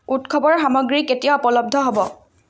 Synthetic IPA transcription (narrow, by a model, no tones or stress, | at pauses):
utkʰɔbɔɹxamɔɡɹiketijaɔpɔlɔb̚d̪ʱɔɦobɔ